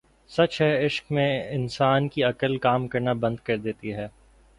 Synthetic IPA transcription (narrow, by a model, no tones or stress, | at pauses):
sɐt͡ʃɦɛɪʃkmẽɪnsaːnkiɐkəlkaːmkɐɾnabɐ̃nd̪̚kɐɾd̪eːt̪iɦɛː